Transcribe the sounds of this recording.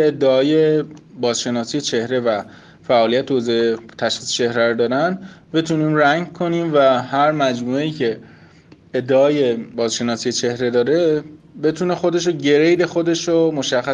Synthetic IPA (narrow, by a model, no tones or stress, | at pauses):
ed̪ːeɒːje̞bɒːzʃe̞nɒːsije̞t͡ʃʰe̞hɾe̞væ | fæʔɒːlijæt̪ʰeozɒet̪ʰæʃxiːse̥t͡ʃʰe̞hɾæɾod̪ɒːɾænd̪be̞t̪ʰuniːmɾæɲɟkʰo̞niːmvæhæɾmæd͡ʒmueiːcʰe̞ | ed̪ːeɒːje̞bɒːzʃe̞nɒːsije̞t͡ʃʰe̞hɾe̞d̪ɒːɾe̞ | be̞t̪ʰuːne̞xod̪e̞ʃ̬oɟe̞ɾejd̪e̞xo̞d̪e̞ʃomoʃæxːæ